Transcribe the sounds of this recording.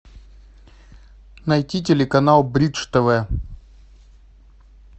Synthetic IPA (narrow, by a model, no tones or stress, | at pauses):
nɐjtʲit̬ʲɪlʲɪkɐnalˠbɾʲid̪ʂt̪ɐvɛ